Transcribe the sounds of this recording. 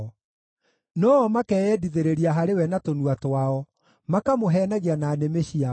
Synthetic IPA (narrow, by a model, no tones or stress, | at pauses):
nɔːɔmakɛːjɛdiðeɾeɾiaɦaɾewɛnatonuatwaɔ | makamoɦɛːnaɣianaːnemeɕia